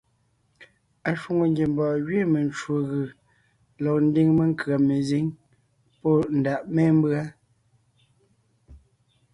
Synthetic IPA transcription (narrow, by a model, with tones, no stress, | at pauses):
a˨ʃwo˨ŋo˨ŋɡje˨m˦bɔː˨ɣɥe˦˨me˨nt͡ʃwo˨ɣɯ˨ | lɔ˨k̚n̩˦di˦ŋme˦˨ŋ˦kɰa˨me˨zi˦ŋ | pɔ˦˨n̩˨da˨ʔme˦m̩˦bɰa˦